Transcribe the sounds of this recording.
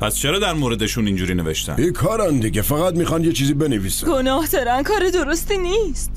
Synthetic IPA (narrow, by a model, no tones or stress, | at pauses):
pʰæst͡ʃʰeɾɒːd̪æɾmoɾed̪eʃunind͡ʒuːɾiːne̞veʃt̪ʰæ̰bikʰɒːɾænd̪iɟʲefæɣæt̪̚mixχɒnjet͡ʃʰiːziːbenevisæɡonɒːhd̪ɒɾænkʰɒːɾed̪oɾost̪iːniːst̪